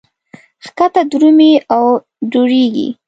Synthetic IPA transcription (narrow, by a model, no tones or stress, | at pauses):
xkat̪ad̪ɾumiaw | d͡ʒoɽeɡḭ